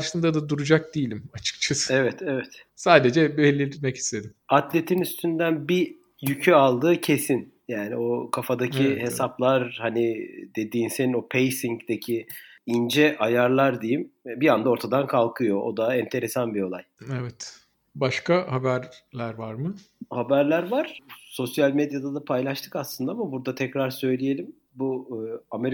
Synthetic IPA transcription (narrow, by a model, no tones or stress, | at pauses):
ʃɯnd̪ad̪ad̪uɾud͡ʒak̚d̪ijilʲimat͡ʃʰɯ̥kt͡ʃʰasevɛt̪ʰevɛt̪ | saːd̪ed͡ʒɛbelʲːimɛci̥st̪ʰe̞d̪imat̪lʲe̞t̪ʰinyst̪ʰynd̪ænbi | jycʰyalˠd̪ɯːcʰe̞sin | jaːnio̞kʰafad̪acʰihe̞saplˠaɾhanid̪e̞d̪iːnsenino̞pʰejsiŋɟd̪ecʰi | ind͡ʒɛʔajaɾlˠaɾd̪ejimbiand̪ao̞ɾt̪ʰad̪ankʰalˠkʰɯjo̞od̪aɛnt̪ʰe̞ɾe̞sanbio̞lˠajevɛt̪ | baʃkahabæɾlʲæɾvaɾmɯ | habæɾlʲæɾvaɾ̥so̞sjalʲmed̪jad̪ad̪apʰajlˠaʃt̪ʰɯ̥kaslˠɯnd̪aamabuɾd̪at̪ʰɛcɾaɾsø̞jlʲije̞lʲim | buame̞ɾ